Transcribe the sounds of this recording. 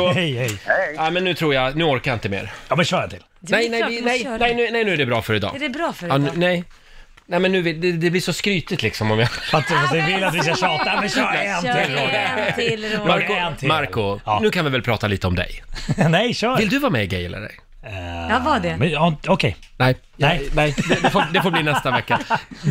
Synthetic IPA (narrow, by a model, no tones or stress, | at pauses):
ɔhɛjhɛjamɛnːʉ̟ːt̪ʰɾuːjanʉːɔɾkajaɪnt̪əmḛːɾjɑmɛnɕœːɾjat̪ʰɪlɛjnɛjɪnɛjnɛjnʉːnɛjnʉ̟ːæɖɛbɾɑːfœɾɪd̪ɑ̰ːdɛbɾɑːfɾnnɛj | nɛmɛnːʉ̟ːvɪd̪ɛd̪ɛblɪʂɔskɾyːt̪ɪt̪lɪksɔmɔmjaat̪fat̪vɪvɪlːat̪vɪs̬kaʃɑːt̪amɛː | maɾknt̪ʰmaɾkʊnʉ̟ːkʰanvɪvɛlpʰɾɑːt̪aliːt̪əɔmd̪ɛ̰jnɛjʃœːvɪld̪ɵvɑːmɛ̰ɡɛ̰jla̰ɾɛ̰ | vadɛɛɔkʰɛj | nɛj | jɛjnɛjd̪ɛd̪ɛfoːd̪ɛfoːbliːnɛst̪avɛkːa